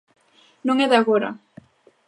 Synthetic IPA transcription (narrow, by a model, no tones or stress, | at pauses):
nõŋɛðaɣoɾɐ̰